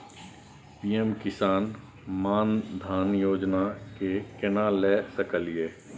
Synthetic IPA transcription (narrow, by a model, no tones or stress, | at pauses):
piːemkɪsaːn | maːnd̪ʱaːnjoːd͡ʒnakekɪnalɛːsəkəlijeː